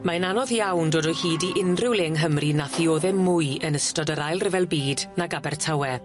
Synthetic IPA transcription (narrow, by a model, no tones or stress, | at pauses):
maənanɔðjawndoːdɔjhiːdiʔɪnrɪwlˠɪŋɦəmrinaθioːðɛmːʊjənəstɔdəɾajlˠrɪvɛlˠbiːdnaɡabɛrtʰawɛ